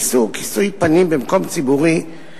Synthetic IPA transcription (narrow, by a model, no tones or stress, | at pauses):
suki̥sujpanimbemko̞mt͡sibuʁi